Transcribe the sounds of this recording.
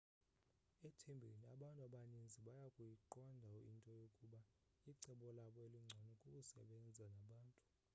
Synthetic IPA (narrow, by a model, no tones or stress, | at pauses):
ɛtʰembʱeniaɓantʼaɓaɲend͡zʱiɓajakʼujiǃɔndʱauḭntʼɔjokʼuɓa | iǀɛɓɔlaɓɔeliŋ͡ǀʱanɔkʼukʼusɛ̰ɓɛnd͡zʱanaɓaːntʼu̥